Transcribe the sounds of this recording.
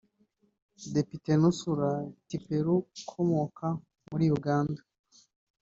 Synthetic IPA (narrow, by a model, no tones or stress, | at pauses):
de̞pite̞nusuɾatipeɾukʰomokʰa | muɾiːjuɡaːnda